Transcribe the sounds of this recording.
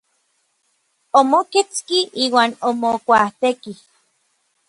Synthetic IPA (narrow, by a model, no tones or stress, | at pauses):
omoket͡skiʔiːwaːnomokʷaht̪eki